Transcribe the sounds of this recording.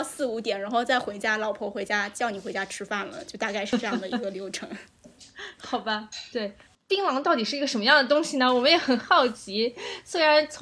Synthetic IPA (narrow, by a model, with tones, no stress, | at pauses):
sɹ̩˥˩u˧˥t̪jɛ˨˩nɻa˧˥nxo˥˧ʊt͡sa˥˩ɪxwe˧˥ɪt͡ɕja˥lɑ˨˩ʊpʰwɔ˥˩xwe˧˥ɪt͡ɕja˥t͡ɕjɑ˥˩ʊni˨˩xwe˧˥ɪt͡ɕja˥ʈ͡ʂʰɻ̩˥fa˥˩nlə̰˩t͡ɕjo˥˧ʊt̪a˥˧ka˥˧ɪʂɻ̩˥˧ʈ͡ʂɤ˥˧jɑ˥˩d̪ə˩i˧˥ɡə˧ljo˧˥ʊʈ͡ʂʰɤ˧˥ŋ | xɑ˨˩ʊbɐ˦t̪we˥˩ɪ | pi˥ŋlɑ˧˥ŋt̪ɑ˥˩ʊt̪i˨˩ʂɻ̩˥˩i˧˥ə˧˩ʂə˧˥nmə˧jɑ˥˩ŋd̪ə˩t̪ʊ˥ŋɕi˨˩nə˩wɔ˨˩mə˦njɛ˨˧˥xə˨˩nxɑ˥˩ʊt͡ɕi˧˥swe˥ɪɻa˧˥nt͡sʰ